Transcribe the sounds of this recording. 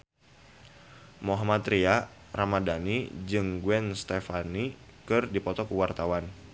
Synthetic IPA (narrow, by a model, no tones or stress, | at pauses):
moɦamat̪ɾia | ramadanid͡ʒɨŋɡwɛnst̪efanikɨrdipɔt̪ɔkuwart̪awan